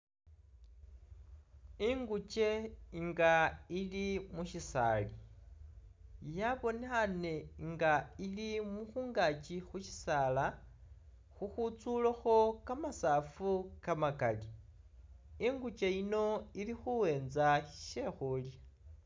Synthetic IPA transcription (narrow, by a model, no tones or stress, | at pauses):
iŋɡut͡ʃe̞iŋɡailimuʃisa̰ːli | jaβo̞nexane̞ŋɡailimuxuːŋɡat͡ʃixuʃi̥saːla | xuxut͡sulaxo̞kamasaːfukamakali | iŋɡut͡ʃe̞ino̞ilixuwe̞ːnzaʃe̞xulja